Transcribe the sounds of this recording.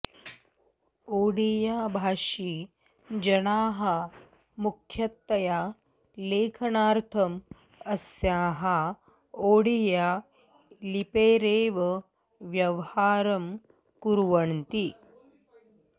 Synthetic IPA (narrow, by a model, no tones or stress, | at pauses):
oːɽijaːbʱaːʃi | d͡ʒɐnaːɦɐ | mukʰjɐt̪ːɐjaː | leːkʰɐnaːɾt̪ʰɐm | ɐsjaːɦa | oːɽijaː | lipeːɾeːʋɐ | ʋjɐʋhaːɾɐm | kuɾʋɐnt̪i